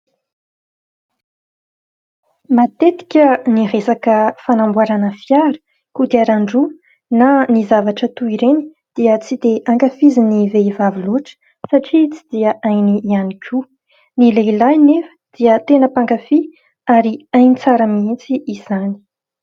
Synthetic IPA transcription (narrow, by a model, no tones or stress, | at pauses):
mat̪et̪i̥kʲəniresakəfanambwaɾanəfjaɾə̥ | kud̪eaɾaɳɖ͡ʐu | nanizavaʈ͡ʂət̪uiɾeni̥ | d̪̥iət͡sid̪eʔaŋkafiziniveivaviluʈ͡ʂə̥ | saʈ͡ʂit͡si̥d̪iəʔajnianikʰʲu | nileilajnefə̥d̪̥iət̪enəpaŋkafi | aɾiajnit͡saɾəmit͡siiz̥ani̥